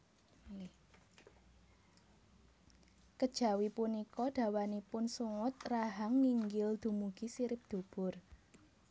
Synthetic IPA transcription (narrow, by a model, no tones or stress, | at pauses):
kəd̥ʒ̥a̤wipunikɔd̪̥ä̤wanipʊnsuŋʊt̪̚raɦaŋːiŋɡɪld̪̥ṳmuɡ̥isiɾɪp̚d̪̥o̤b̥ʊr